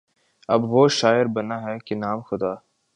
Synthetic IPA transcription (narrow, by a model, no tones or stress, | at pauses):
ɐbʋoːʃaːɪɾbɐnaɦɛkenaːmxʊd̪aː